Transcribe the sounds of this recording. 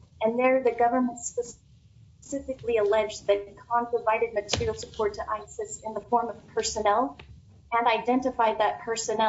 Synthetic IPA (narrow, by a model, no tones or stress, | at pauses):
ɨ̃nðə˞ðɨɡʌvə˞mə̃ntspəs | sɪfɨkliəlɛd͡ʒðɨt̚kʰɑ̃mpʰɹ̥əvaɪɾɨd̚mɨtʰɪɹil̩ˠsəpʰɔɹtʰəʔaɪsɨsɨ̃nðəfɔɹmʌv̥pʰɜ˞sɨnɛlˠ | ɨ̃naɪdɛ̃ntɨfaɪd̪̚ðɨt̚pʰɜ˞sɨnɛ